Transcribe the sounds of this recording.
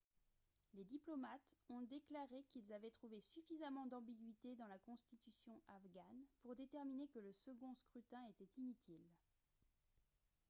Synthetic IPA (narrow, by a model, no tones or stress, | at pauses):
led̪iplɔmat̪ɔ̃d̪eklaʁekʲilzavɛt̪χuvesyfizamɑ̃d̪ɑ̃biɡɥit̪ed̪ɑ̃lakɔ̃st̪it̪ysjɔ̃ʔafɡanpuʁd̪et̪ɛʁminekələsəɡɔ̃skχyt̪ɛ̃et̪ɛt̪inyt̪ʰil